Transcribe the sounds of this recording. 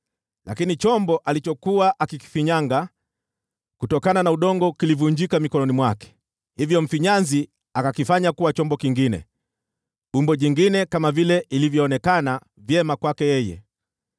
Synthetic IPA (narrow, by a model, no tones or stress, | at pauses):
lʔakinit͡ʃɔmbɔʔalit͡ʃɔkuaʔakiki̥fiɲaŋɡa | kutɔkananauɗɔŋɡɔkilivuɲd͡ʒikamikɔnɔnimwakɛ̥ | hivjɔm̩fiɲanzi | akakifaɲakuwat͡ʃɔmbɔkiŋɡinɛ̰ | ɓumbɔʄiŋɡinɛkamavilɛʔilivjɔːnɛkana | vjɛmakwakɛjɛjɛ̰